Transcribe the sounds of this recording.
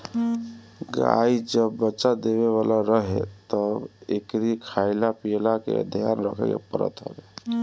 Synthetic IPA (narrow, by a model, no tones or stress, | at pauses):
ɡa̰id͡ʒəbːətːʃad̪eβeβalaɾəɦḛt̪əbekɾikʰajlapilakḛə̰d̪ʱija̰nɾəkʰɛkḛpəɾə̰t̪ɦə̰be